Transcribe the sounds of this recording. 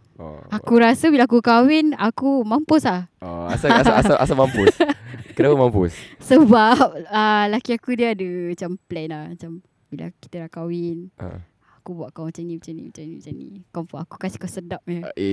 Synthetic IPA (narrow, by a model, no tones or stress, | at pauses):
akuɾasəbilaak̬ukawinakumampʊslahɔ̰a̰saasaasaʔa̰samampʊskənapamampʊ̰ssəbap̚əlakiakudiaːdəmat͡ʃamplɛnamat͡ʃam | bila̰ki̥t̪əɾakawɪna̰ | akubuaʔkawmat͡ʃanimat͡ʃanḭmat͡ʃanimat͡ʃanḭkɔmfɔaku̥kasi̥kasədap̚a